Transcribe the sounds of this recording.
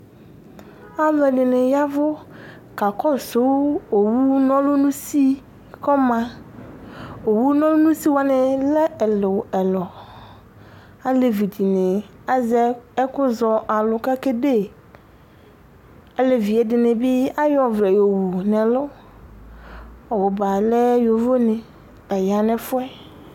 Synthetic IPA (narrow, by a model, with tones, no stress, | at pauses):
a˦vɔ˨ɖɪ˨nɪ̃˨ja˦vʊ˦ | ka˨kɔ˦so˨˦wo˨wu˦nɔ̃˦lʊ˦nũ˦si˦ | kɔ˦mã˨ | wo˨wu˦nɔ̃˦lʊ˦nũ˦si˦wa˨nɪ̃˨lɛ˦ɛ˨lo˨ɛ˨lɔ˨ | a˦le˨vi˨d͡ʒi˨nẽ˨ | a˦zɛ˦ɛ˦kʊ˦zɔ˨ʔa˨lʊ˨ka˦ke˦de˦ | ɛ˦lɛ˨vi˨ɛ˨dɪ˨nɪ̃˨bɪ˦a˦jɔ˨vɾɛ˨jo˨wu˨nɛ˨lʊ˦ | ɔ˨wʊ˨ba˨lɛ˦jo˨vo˦nɪ̃˨ | ɛ˨ja˨nɛ̃˦fʊ˦ɛ˦